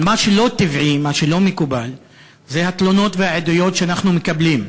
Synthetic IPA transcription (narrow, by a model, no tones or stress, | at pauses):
maʃelo̞t̪ivʕimaʃelo̞mekubal | zehat̪lo̞no̞t̪veaʕed̪ujo̞t̪ʃeanaχnumekablim